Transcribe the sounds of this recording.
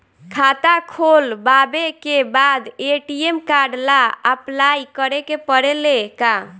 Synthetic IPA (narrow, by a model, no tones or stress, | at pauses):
kʰat̪akʰolbabekebad̪eʈiemkaɾɖlaəplajkəɾekepəɽeleka